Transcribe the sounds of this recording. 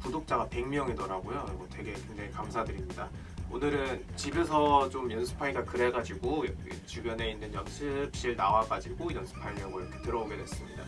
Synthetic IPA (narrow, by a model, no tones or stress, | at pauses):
pudok̚t͡ɕ͈aɡape̞ŋmjʌŋidʌɾaɡojoɡʌtʰwe̞ɡe̞kwe̞ŋd͡ʑaŋikamsʰadɯɾimɲida | o̰nɯɾɯnt͡ɕibes̬ʰʌt͡ɕomjʌnsʰɯ̥pʰaiɡakɯɾeɡad͡ʑiɡojʌkḛt͡ɕubjʌne̞inːɯnjʌnsʰɯp̚ɕ͈iɭnawaɡad͡ʑiɡoiʌnsʰɯ̥pʰaimjʌɡɯiɾʌkʰe̞tɯɾʌoɡedwe̞s͈ɯmɲida̰